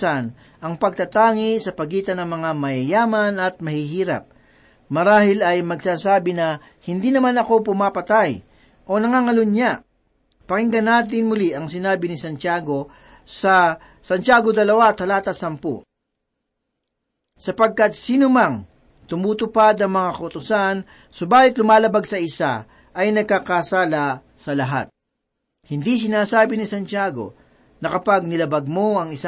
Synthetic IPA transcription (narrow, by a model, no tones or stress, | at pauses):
ɐn | ʔɐŋpɐɡ̚t̪ɐt̪aːŋisɐpɐɡiːt̪ɐnɐŋmɐŋamɐjɐjaːmɐnɐt̪̚mɐhiɦiːɾɐ̰p̚ | mɐɾaːhɪlɐjmɐɡsaːsaːbɪnɐ | hɪnd̪inɐmanɐko̞pʊmapɐt̪aj | ʔo̞nɐŋaŋɐlʊnɲa | pɐkɪŋɡɐnaːt̪̬ɪnmʊliʔɐŋsɪnaːbɪnɪsɐnt͡ʃaːɡo̞ | sɐ | sɐnt͡ʃaːɡod̪ɐlɐwat̪ɐlaːt̪ɐsɐmpo̰ | sɐpɐɡ̚kɐt̪̚siːnʊmɐŋ | t̪ʊmuːt̪ʊpad̪ɐŋmɐŋakɐʔʊt̪ʊsan | sobaːhɪt̪lʊmaːlɐbaɡsɐɪsa̰ | ʔɐjnɐɡ̚kakɐsaːlɐ | sɐlɐɦa̰t̪̚ | hɪnd̪is̬ɪnaːsaːbɪnɪsɐnt͡ʃjaːɡo̞̰ | nɐkɐpaɡ̚nɪlɐbɐɡ̚moɐŋɪsa